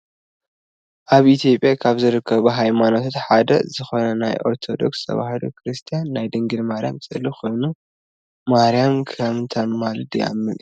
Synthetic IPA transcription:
ʔaβit̪ʰjo̞pʼjakʰaβzɨɾɨkʰːɐβuɦajmanot̪ʰot̪ħad̪ɐ̰zɨxo̞nɐna̰jʔo̞̰ɾt̪ʰo̞d̪o̞̰kst̪ʰɐ̰βa̰hɨlo̰kʰɾɨst̪ʰijanːajd̪ɨŋɡɨlmaɾija̰mt͡sʼɨlːixo̞jnu | maɾijamkʰɐmt̪ʰɐnmalɨd̪jɪʔa̰mːɨl

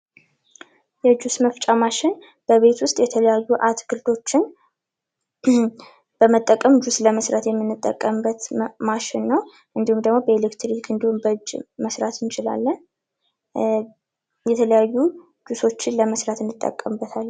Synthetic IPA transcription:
jɛd͡ʒusməft͡ʃʼamaʃɪn | b̥əβe̞t̪wʊst̪ʼjɛt̪ʰələjajːuʔat̪ɡɨld̪o̞t͡ʃːɪn | b̥əmət̪ʼːəkʼəmd͡ʒusləməsɾat̪jɛmːɨnːɨt̪ʼːə̰kʼːəmːət̪maʃɪnːəw | ʔɨnd̪ihumd̪əɡmobəelekt̪ɾikʰɨnd̪ihumbəd͡ʒməsɾat̪ʰɨnt͡ʃʰɪla̰lːən | jɛt̪ʰələjajːu | d͡ʒuso̞t͡ʃːɪnləməsɾat̪ɨnd̪ɨt̪ʼːə̰kʼːəmbːət̪ʰalː

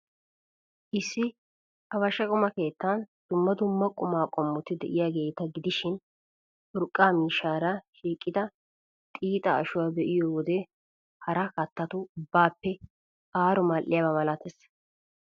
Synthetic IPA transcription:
ʔɪsːɪ | ɐbɐʃɐkʼʊmɐke̞ːt̪ːand̪̥ʊmːɐd̪ʊmːɐkʼʊmaːkʼɔmːʊt̪ɪd̪ɛ̰ʔɪjaːɡe̞ːt̪ɐɡɪd̪ɪʃɪn | ʔʊɾkʼːaːmiːʃaːɾɐʃiːkʼːɪd̪ɐ | t̪ʼiːt̪ʼɐɐʃʊwaːbɛʔɪjoːwɔd̪ɛ | hɐɾɐkɐt̪ːɐt̪ʊʊbːaːpːɛ | ʔaːɾʊmaːlʔɪjaːbɐmɐlat̪ɛs

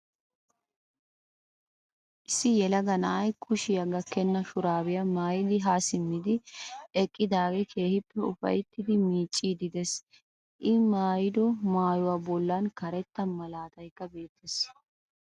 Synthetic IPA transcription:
ʔɪsːɪjɛlɐɡɐnɐʔɐjkʰʊʃɪjɐɡɐkːɛnːɐʃʊɾaːbɪjɐmaːjɪd̪ɪɦaːsɪmːɪd̪ɪɛkʼːɪd̪aːɡɛkʰe̞ːhɪpːɛʊfɐ̰jt̪ːɪd̪ɪmiːt͡ʃʼːiːd̪ɪd̪ɛs | ʔɪmaːjɪd̪ɔmaːjʊwaːbɔlːankɐɾɛt̪ːɐmɐlaːt̪ɐjkːɐbe̞ːt̪ʰːes

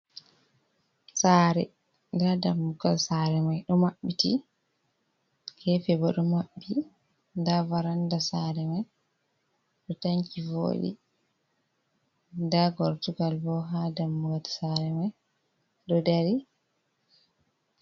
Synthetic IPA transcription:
saːɾɛ̰ | ndadamːuɡalsaɾɛmajɗɔmaɓːiti | kʰɛfɛbɔɗɔmaɓːi | ndavaɾandasaɾɛmaj | ɗɔtaɲkivo̰ːɗḭ | ndaɡɔɾtuɡalbɔɦadamːuɡati̥saɾɛmaj | ɗɔdaɾi

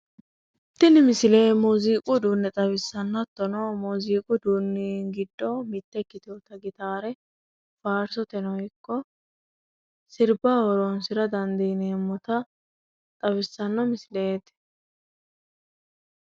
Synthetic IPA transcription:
t̪ːɪnɪmɪsɪleːmuːziːkʼʊd̪uːnːɛt̪ʼɐβɪsːɐnːt̪ːɔnɔmuːziːkʼʊd̪uːnːiɡɪd̪ːɔmɪt̪ːɛkːɪt̪ɪjot̪ɐɡɪt̪aːɾɛ | faːɾsɔt̪ɛnɔjɪkːɔ | sɪɾbaːwɔɾɔnsɪɾɐd̪ɐnd̪ineːmːɔt̪ɐ | t̪ʼɐβɪsːɐnːɔmɪsleːt̪ː

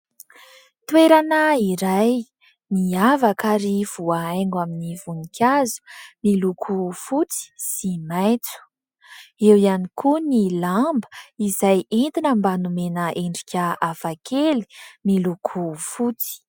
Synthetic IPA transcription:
t̪weɾanəiɾaj | niavakaɾiv̥uaajŋɡaminivunikʰʲazu̥milukʰufut͡si̥simajt͡su̥ | ewanikʰunilambə̥izajint̪inəmbanumenəʔeɳɖ͡ʐi̥kʲaavakʰeli̥milukʰufut͡si̥

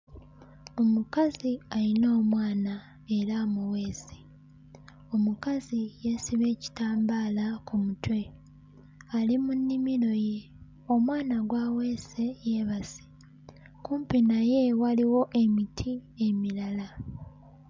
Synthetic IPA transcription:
o̞mukazialino̞ːmwaːna | e̞ɾamuwe̞ːze̥ | o̞mukazijesiβe̞ːci̥taːmbaːlakumutwe̞ | alimunːimiɾo̞je̞ | o̞mwaːnaɡwawe̞ːsejeːβasi̥ | kuːmpinaje̞waliwo̞ʔe̞mitʰie̞milala

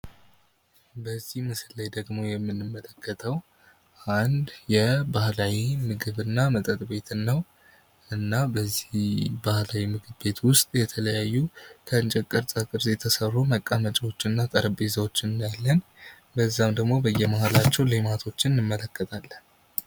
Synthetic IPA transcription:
bəzːihmɨsɨlːəjd̪əɡmo̞jɛmːɨnːɨmːələkːət̪ʰəw | ʔand̪jɛbahlawimɨɡɨβɨnːamət̪ʼət̪ʼbe̞t̪ʰɨnːəw | ʔɨnːabəzːibahlawimɨɡɨβbe̞t̪wʊst̪ʼjɛt̪ʰələjajːukʰəɨnt͡ʃʼɛkʼːəɾt͡sʼakʼɨɾzet̪ʰəsərːuməkʼːamət͡ʃʼɛwo̞t͡ʃːnːat̪ʼəɾəbezawot͡ʃːɪnɨnjalːən | bəzːamd̪əɡmo̞bəjːɛmahalat͡ʃːɛwlemat̪ʰo̞t͡ʃːɪnːɨmːələkʰːət̪ʰalːən

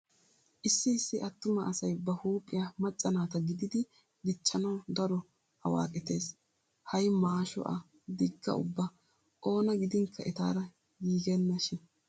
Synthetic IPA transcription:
ʔɪsːɪɪsːɪʔɐt̪ːʊmɐʔɐsɐjbɐhuːpʼːɪjamɐt͡ʃʼːɐnaːt̪ɐɡɪd̪ɪd̪ɪ | d̪ɪt͡ʃːɐnɐwd̪ɐɾɔ | ɐ̰wa̰ːkʼɪt̪e̞ːs | hɐjmaːʃɔ̰ʔɐ̰ | d̪ɪɡːɐ̰ʊ̰bːɐ | ʔo̞ːnɐɡɪd̪ɪŋkʰːɐʔɛt̪aːɾɐ | ɡiːɡɛnːɐʃɪn

